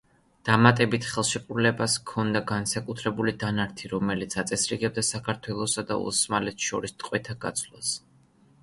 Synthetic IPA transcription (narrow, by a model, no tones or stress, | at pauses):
d̪̥amat̪ʼɛbit̪ʰχɛlˠʃɛqʼɾulɛbaskʰɔnd̪aɡansakʼut̪ʰɾɛbulid̪anaɾt̪ʰiɾɔmɛlit̪sʰat̪sʼɛsɾiɡɛb̚d̪asakʰaɾt̪ʰwɛlˠɔsad̪a̰ṵsmalɛt̪ʰʃɔɾist̪ʼqʼwɛt̪ʰaɡa̰t̪sʰlˠa̰s